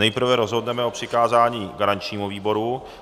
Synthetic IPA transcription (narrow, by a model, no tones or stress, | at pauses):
nɛjpr̩vɛɾozɦo̞dnɛmɛo̞pr̥ɪkaːzaːɲiːɡaɾaɲt͡ʃɲiːmuviːbo̞ɾu